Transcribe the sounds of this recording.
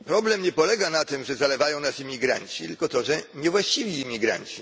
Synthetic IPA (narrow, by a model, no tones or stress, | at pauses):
pɾɔblɛmɲɛpɔlɛɡanat̪ɘmʐɛzalɛvajɔ̃w̃nasimʲiɡɾa̰ɲt͡ɕit̪ɘlkɔt̪ɔʐɛɲɛvwaɕt͡ɕivʲiːmʲiɡɾa̰ɲt͡ɕi